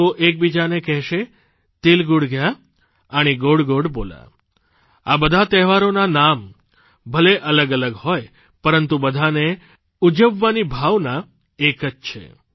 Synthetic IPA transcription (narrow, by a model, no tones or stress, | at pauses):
oʔek̚bid͡ʒanekɛɦʃe | t̪ilɡuɽɡja | əɽ̃iɡoɽɡoɽbola̰ | abəd̪ʱat̪ɛɦʋaɾonanam | bʱəleʔələɡələɡhɔj | pəɾənt̪ubəd̪ʱane | ud͡ʒəʋːanibʱaʋna | ekəd͡ʒt͡ʃʰḛ